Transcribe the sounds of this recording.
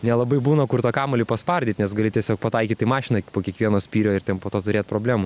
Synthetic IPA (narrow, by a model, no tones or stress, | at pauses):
nʲɛlˠɐbɐɪbuːnɐkʊɾt̪ɑːkɑːmɐlʲiːpɐspɐrʲd̪ʲiːt̪ʲnʲɛsɡɐlʲɪtʲɛsʲoːk̚pɐt̪ɐɪkʲiːt̪ɪmɑːʃʲɪnɐpoːkʲiɛkʋʲiɛnoːsʲpʲiːɾʲoːɪrt̪ʲɛnpoːt̪oːt̪ʊɾʲeːt̪pɾoːbʲlʲæːmu